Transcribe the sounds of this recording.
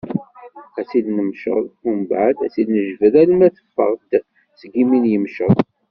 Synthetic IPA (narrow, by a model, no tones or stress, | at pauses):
æt͡silnəmʃə̰ðˤumbaʕd̪æt͡silnəʒvəðælmæθə̥fːə̰ʁd̪ | t͡sːɡiminjəmʃəðˤ